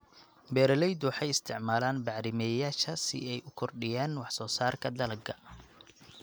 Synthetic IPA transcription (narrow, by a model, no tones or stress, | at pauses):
bɛːɾɐlɛjd̪wɑħɑjɪst̪ʰɪʕmaːlaːnbɑʕɾɪmɛjaːʃɐsɪ̰ɛjʔʊkʰɔrɖɪjaːnwɑħsɔːsaːrkʰɐd̪ɐlɐɡʰɐ